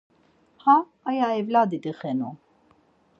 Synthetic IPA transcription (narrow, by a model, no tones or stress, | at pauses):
haː | jaɛvlad̪id̪əxɛnṵ